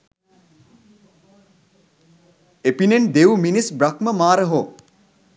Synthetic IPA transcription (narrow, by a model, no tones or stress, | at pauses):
epinend̪ewminisbɾakməmaːɾəɦo